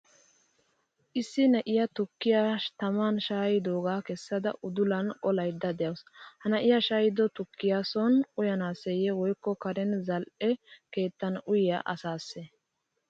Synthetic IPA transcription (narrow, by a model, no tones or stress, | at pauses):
ʔɪsːɪnɐʔɪjɐt̪ʊkːɪjat̪ɐmaːnʃaːjɪd̪oːɡaːkɛsːɐd̪ɐ̰ʔʊd̪ʊlɐnʔɔlɐjd̪ːɐd̪ɛjɐwshɐnɐʔɪjaʃaːjɪd̪ɔt̪ʊkːɪjaːsɔnʊjɐnaːsɛjɛwɔjkːɔkɐɾɛnzɐlʔɛke̞ːt̪ːɐnʊjɪjaʔɐsaːsːe